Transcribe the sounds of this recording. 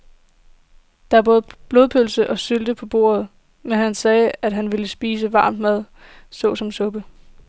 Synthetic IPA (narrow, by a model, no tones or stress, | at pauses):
d̥ɑ̈æb̥ɔ̽ːð̩ˠb̥lo̝ːð̞ˠpʰølsəʔɒ̽syld̥əpʰɒ̽b̥o̝̰ːɐð̞̩ˠ | menɦænsɛːæd̥ɦænʋe̝ləsb̥iːsəʋɑ̈ːmd̥mæð̞ˠ | sɔ̽sɒ̽msɔ̽b̥ə